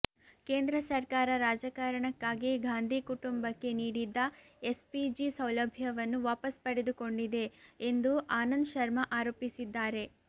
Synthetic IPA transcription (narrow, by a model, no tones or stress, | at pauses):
ke̞ːnd̪ɾɐsɐɾkaːɾɐɾaːd͡ʒɐkaːɾɐɳɐkːaːɡiɡaːnd̪ʱikuʈumbɐkːe̞niːɽid̪ːɐ | espid͡ʒisɐwlɐbʱjɐʋɐnːuʋaːpɐspɐɽed̪uko̞ɳɖid̪e̞ːnd̪uʔaːnɐnd̪ʃɐɾmɐʔaːɾoːpisid̪ːaːɾe̞